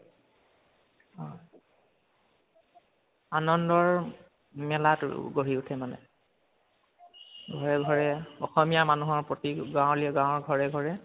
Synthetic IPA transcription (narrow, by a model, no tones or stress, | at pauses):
ɔ | anɔndɔɹ | mɛlatɡoɹiutʰɛmanɛ̰ | ɡʱɔɹɛɡʱɔɹɛɔxɔmijamanuɦɔɹpɹotiɡãwɔ̃liɛɡãw̃ɔɹɡʱɔɹɛɡʱɔɹɛ